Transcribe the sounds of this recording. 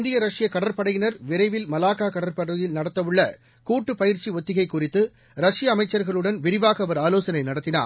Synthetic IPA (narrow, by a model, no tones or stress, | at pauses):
ɪnd̪ɪjɐɾɐʂɪjɐkɐɽɐɾpɐɽɐjɪnɐɾʋɪɾɐɪʋɪlmɐlaːkaːkɐɽɐɾpɐɽɐjɪlnɐɽɐt̪ːɐʋɯɭːɐ | kuːʈːɯpɐjɪɾt͡ʃiɔt̪ːɪɣɐɪkːʊrɪt̪ːɯ | ɾɐʂɪjɐːmɐɪt͡ʃːɐɾɣɐɭɯɽɐnʋɪɾɪʋaːɣɐɐʋɐɾaːloːsɐnɐɪnɐɽɐt̪ːɪna̰ːɾ